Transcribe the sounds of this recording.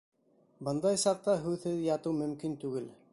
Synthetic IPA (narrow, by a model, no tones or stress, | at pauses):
bɤnd̪ɑjsɑq̚t̪ɑɦʉðhɘðjɑt̪ɤwmɵ̆mkint̪ʉɡɘl